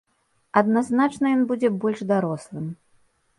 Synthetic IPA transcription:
ɐd̪naznat͡ʂnɐjɔnbud͡zʲɛbɔlʲʐd̪aɾɔslˠɨm

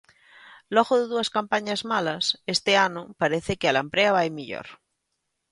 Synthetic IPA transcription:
loɣoðeðuaskampaɲazmalasest̪eanopaɾeθekealampɾeaβajmiʎo̰ɾ

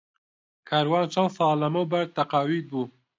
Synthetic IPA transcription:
kʰaːɾwaːnt͡ʃʰɐwsaːlɐmɐwbɐɾt̪ːɐqaːwid̪̚buː

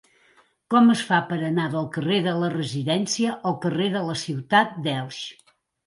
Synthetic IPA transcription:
kɔməsfapəɾənaðəlˠkəreðələrəziðɛnsiəʔəlˠkəreðələsiwt̪at̪̚d̪ɛlˠʃ

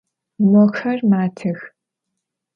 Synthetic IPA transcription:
mʷɔxɐrmaːtʰɨx

